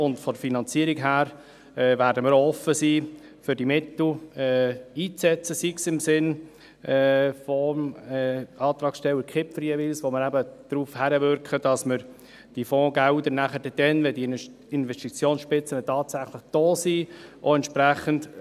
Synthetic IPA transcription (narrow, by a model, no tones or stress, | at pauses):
ʊntfɔdfinɑnt͡siːəɾiɡɦæːɾ | ɛːvæːɾdəməɾɔfəsiː | fʏɾdimɪt̪l̩ɛiːt͡sɛt͡səsiksɪmsɪn | ɛfɔmɛɑːt̪ɾɑːksʃtɛlːəɾkʰɪpfəɾjevilsʋoməɾæbəd̥ɾuːfhæɾəvʏɾkʰəd̥ɑsməɾ | d̥ifɔ̃ːɡ̥ældənæχəɾdɛd̥ɛnvɛdi | ɪnvɛstit͡sjoːnsʃpɪt͡sənətʰɑːtsæχlɪχd̥oːsiːʔoɛntʃpɾæχənd